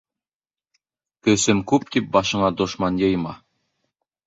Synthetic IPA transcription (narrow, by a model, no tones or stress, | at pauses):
kɵ̆sɘmkʉp̚t̪ip̚bɑʃɤ̆ɴɑd̪ŏʃmɑnjɤ̆jmɑ